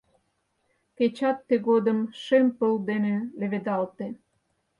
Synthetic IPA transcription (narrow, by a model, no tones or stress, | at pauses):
ket͡ɕɑt̪ːeɣod̪əmʃempəld̪enelĕβed̪ɑlt̪e